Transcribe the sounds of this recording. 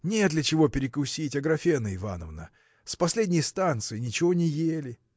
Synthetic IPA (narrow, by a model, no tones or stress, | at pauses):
nʲet̪̬lʲɪt͡ɕɪvo̞pʲɪɾʲɪkʊsʲitʲɐɡɾɐfʲenɨɪva̰nə̰vnə̰ | spɐsʲlʲedʲnʲɪjst̪ant̪sɨjɪnʲɪt͡ɕɪvo̞nʲɪjelʲɪ